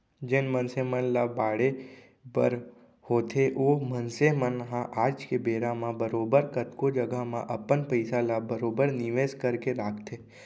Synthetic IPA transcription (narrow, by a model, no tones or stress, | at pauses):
d͡ʒɪnmənsemənlabaːɽe | bə̰ɾ | hoːt̪ʰeʔoːmənsemənɦãʔaːd͡ʒkebeːɾãmãbəɾoːbəɾkət̪kod͡ʒəɡəmã̰ʔɐpənpəɪsalabəɾoːbəɾnɪʋeːskəɾkeɾaːkʰt̪ʰeː